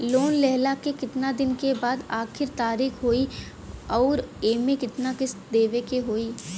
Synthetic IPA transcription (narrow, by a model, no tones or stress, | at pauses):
loːnlɛɦlakekɪt̪nad̪ɪnkebaːd̪aːkʰɪɾt̪aːɾiːxɦoːi | ɔːɾeːmẽkɪt̪nakɪsd̪eːʋekeɦoːiː